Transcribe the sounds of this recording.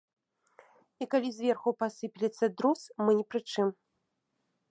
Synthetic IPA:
ikalʲizʲvʲɛrxupasɨpʲilʲɛt̪sːɐd̪ɾusmɨnʲɛpɾɨt͡ʂɨm

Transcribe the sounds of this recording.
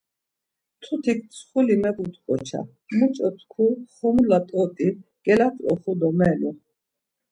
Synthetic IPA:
t̪ʰut̪ʰik̚ʰt͡sʰχulimɛqut̪qʼɔt͡ʃʰa̰ | mut͡ʃʼɔt̪ʰkʰuχɔmlat̪ʼɔt̪ʼiɡ̥ɛlat̪ʼɾɔχud̪ɔmɛlu

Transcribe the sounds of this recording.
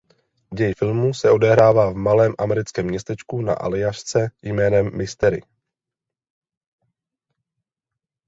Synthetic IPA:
ɟɛjfɪlmusɛo̞dɛɦɾaːvaːvmalɛːmʔamɛɾɪt͡skɛːmːɲɛst̪ɛt͡ʃkuna̰ʔa̰lɪaʃt͡sɛjmɛːnɛmːɪst̪ɛɾɪ̰

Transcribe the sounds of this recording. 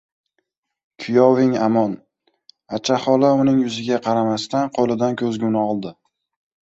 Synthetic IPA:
kʲʰʊjɒvɪŋamɒn | at͡ʃʰahɒlaʊnɪŋjʊzɪɡʲaqʰɑɾamast̪anqʰolˠɪd̪ankʲʰɵzɡʲʊnɪɒlˠd̪ɪ

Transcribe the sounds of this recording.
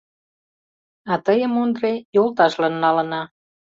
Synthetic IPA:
ɑt̪əjə̆mond̪rejolt̪ɑʃlɑnːɑlə̆nɑ

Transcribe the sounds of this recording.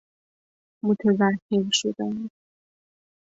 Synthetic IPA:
mot̪ʰæzækʰːeɾʃod̪æni

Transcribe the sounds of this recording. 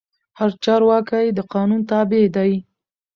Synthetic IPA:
haɾt͡ʃɑɾwɑkajd̪əqɑnunt̪ɑbed̪aj

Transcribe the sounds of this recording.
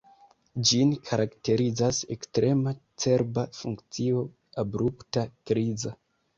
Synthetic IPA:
d͡ʒinkʰaɾakte̞ɾid͡zase̞̰kstɾe̞mat͡se̞ɾbafuŋkt͡sio̞ | abɾuptakɾiza

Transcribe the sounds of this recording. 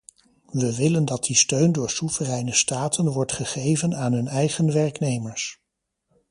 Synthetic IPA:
ʋəʋɪləndɑt̚distøɥndʊːɹsuv̥ərɛjnəstaːtʰənʋɔɹtχəχejvənaːnɦɵnɛjχənʋɛɹknejməɹs

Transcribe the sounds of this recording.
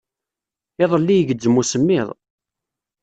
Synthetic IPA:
ɪðˤəlːijəʝəd͡ʒːəmːusəmːɪðˤ

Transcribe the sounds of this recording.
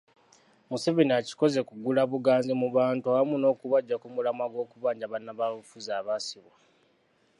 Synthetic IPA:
muse̞βeniaci̥ko̞ze̞kuɡulaβuɡaːnzemuβaːntuawamuno̞ːkuβaɟːakumulamaɡo̞ːkuβaːɲɟaβanːaβaβufuzaːβasiβwa

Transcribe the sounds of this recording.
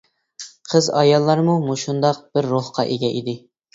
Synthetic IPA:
qʰəzɑjɑlˠːɑɾmumuʃund̪ɑq̚b̥ɪɾːoχqʰɑʔeɡʲɛʔid̪ɪ

